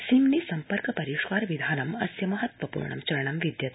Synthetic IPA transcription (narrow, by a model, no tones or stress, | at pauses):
simniːsɐmpəɾkpɐɾiʂkaɾʋid̪ʱanɐmɐsjɐmɐɦət̪ʋɐpṵɾɳɐ̰mt͡ɕɐɾɳɐmʋid̪jɐt̪